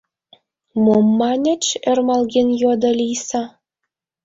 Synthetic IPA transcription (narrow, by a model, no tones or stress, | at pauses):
momːɑnʲɘ̆t͡ɕĕrmɑlɣenjod̪ɤ̆lʲijsɑ